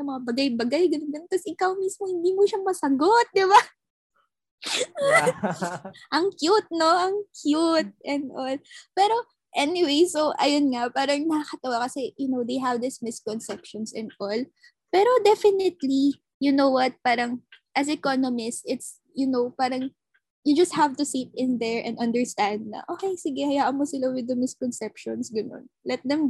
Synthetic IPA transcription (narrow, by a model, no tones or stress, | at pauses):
sɐmɐŋabɐɡajbɐɡajɡɐnʊnd̪ɐnnt̪ɐsʔɪkawmismohɪnd̪iːmoʃamɐsɐɡot̪̚d̪ɪba | ʔɐŋkjut̪̚no̞ʔɐŋkʰjut̪̚ʔɛnd̪ʔolpɛɾo̞ | ʔɛnɪwejsoʔɐjonŋɐpaːɾɐŋnɐkɐkɐt̪ɐwakɐsɛjʊnowd̪ejɦɐvd̪ɪsmɪskɔnsɛpʃɔnsɛ̃nd̪ʔol | pɛɾod̪ɛfɪnɪt̪li | jʊnowwɐt̪̚paːɾɐŋʔɐsɛkonomɪst̪ɪt̪s | jʊnowpaːɾɐŋ | jʊd͡ʒɐst̪̚havt̪ʊsit̪̚ɪ̃nd̪ɛɹʔɛ̰̃nɐ̃nd̪ɛɹst̪ãnd̪̚nɐ̰ʔoːkɛjsɪɡɛhɐjaːʔɐnmosɪlawɪd̪ɐmɪskɔnsɛpʃɔnsɡɐno̰nlɛt̪̚d̪ɛm